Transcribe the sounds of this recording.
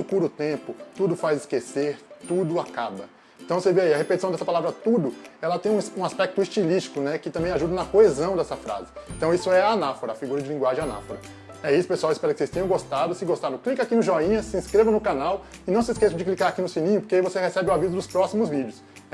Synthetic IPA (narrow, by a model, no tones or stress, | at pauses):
ʊkuɾʊt̪ẽpʊt̪ud̪ʊfajzɪskeseɾt̪ud̪ʊakabɐ | ẽt̪w̃seveaiɐhepet͡ʃisɐ̃d̪ɛsɐpalavɾɐt̪ud̪ʊɛlɐt̪ẽj̃ũũaspɛk̚t̪ʊist͡ʃiliʃt͡ʃi̥kʊnɛkɪt̪ɐ̃mbẽj̃aʒud̪ɐnɐkoezɐ̃w̃d̪ɛsɐfɾa̰zɪeẽt̪ɐ̃w̃isʊɛɐːnafoɾɐafiɡuɾɐd͡ʒɪlĩŋɡwaʒẽj̃ana̰foɾɐ | ɛisʊ̥pesuawɪspɛɾɐkɪsest̪ẽɲ̃w̃ɡost̪ad̪ʊsɪɡost̪aɾʊ̃klikɐakinʊʒɔĩɲɐsɪĩskɾevɐnʊkanaw | ɪnɐ̃w̃sɪskesɐ̃d͡ʒɪklikaɾakinʊsĩnĩɲʊpoɾkeivosehesɛbɪuavizʊd̪ʊspɾɔsimʊzvid͡ʒɪʊs